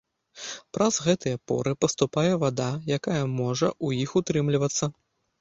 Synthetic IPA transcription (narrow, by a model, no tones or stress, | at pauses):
pɾɐzɣɛt̪ɨjɐpɔ̰ɾɨpɐst̪upajɛvad̪ajakajɐmɔʐɐʔujixut̪ɾɨmlʲivɐt̪sːɐ